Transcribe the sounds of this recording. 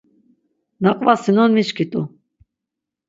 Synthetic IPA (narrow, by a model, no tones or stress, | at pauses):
naqʼvasinɔnmiʃkʰit̪ʼu